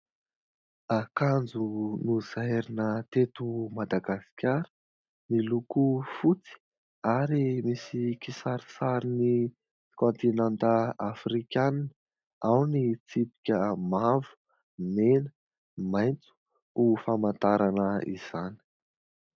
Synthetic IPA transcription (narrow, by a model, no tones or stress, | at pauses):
akand͡zunuz̥ajɾinət̪et̪umad̪aɡasi̥kʲaɾə̥ | nilukufut͡si̥ | aɾimisikisaɾi̥saɾini | kɔnt̪inant̪əafrikʲann | awnit͡sipi̥kʲəmavu̥ | menə̥ | majnt͡su̥ | ufamant̪aɾanəḭz̥ani̥